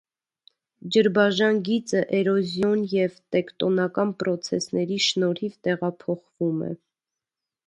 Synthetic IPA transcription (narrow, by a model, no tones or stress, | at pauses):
d͡ʒəɾbɑʒɑnɡit͡səʔɛɾɔzjɔnjɛvt̪ɛkt̪ɔnɑkɑnpɾɔt͡sʰɛsnɛɾiʃnɔɾivt̪ɛʁɑpʰɔχv̥umɛ̰